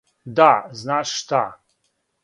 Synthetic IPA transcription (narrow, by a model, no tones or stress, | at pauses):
d̪aznaːʂːt̪a